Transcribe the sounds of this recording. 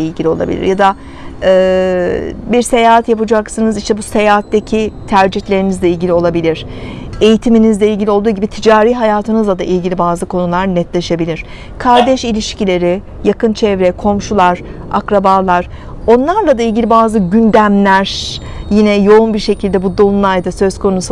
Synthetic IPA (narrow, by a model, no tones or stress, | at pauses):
ilʲɟilʲio̞lˠa̰bḭlʲḭɾjad̪a | ɯː | biɾse̞jaːɦat̪japɯd͡ʒaksɯnɯziʃt̪ɛbuse̞jaːɦat̪ːecʰit̪ʰæɾd͡ʒiçlʲe̞ɾinizlʲeilʲɟʲilʲio̞lˠabilʲiɾ̥ | e̞jit̪ʰiminizlʲeilʲɟʲilʲio̞lˠd̪uːɟibit̪ʰid͡ʒaːɾiːɦajaːt̪ʰɯnɯzlˠad̪aʔilʲɟilʲibaːzɯkʰo̞nulˠaɾnɛt̪lʲeɛʃe̞bilʲiɾ̥ | kʰaɾd̪ɛʃilʲiʃcilʲe̞ɾɪ | jakɯnt͡ʃʰɛvɾɛkʰo̞mʃulˠaɾ̥ | a̰kɾabaːlˠaɾ̥ | o̞nlˠaɾlˠad̪ailʲɟilʲibaːzɯɟynd̪æmlʲæɾ̥ | jinɛjo̞unbiɾʃecʰilʲd̪ɛbud̪onlˠajd̪asø̞z̥kʰo̞nus